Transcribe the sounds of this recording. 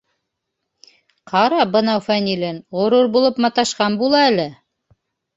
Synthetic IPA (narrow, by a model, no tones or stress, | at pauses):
qɑɾɑbɤ̆nɑwfænʲilʲɘnʁŏɾuɾbulˠɤpmɑt̪ɑʃqɑnbulˠɑælɘ